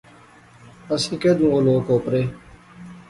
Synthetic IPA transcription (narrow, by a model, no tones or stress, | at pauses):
əsĩːked̪ũːoloːkoːpɾeː